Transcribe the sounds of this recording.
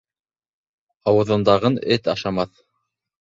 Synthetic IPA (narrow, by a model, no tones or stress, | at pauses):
ɑwɤ̆ðɤ̆nd̪ɑʁɤnɘt̪ɑʃɑmɑθ